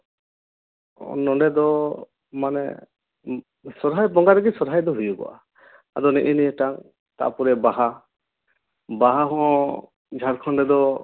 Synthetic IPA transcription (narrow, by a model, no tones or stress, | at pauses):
nɔɖɛd̪ɔ | manɛ̰ | sɔɾɦajbɔŋɡaɾɛɡisɔɾɦajd̪ɔɦujuɡɔ̰ʔa̰ | ad̪ɔnɛʔiniɛʈaŋ | t̪a̰ʔpɔɾɛbaɦa | baɦaɦɔ̃ | d͡ʒʱaɾkʰɔɳɖɛd̪ɔ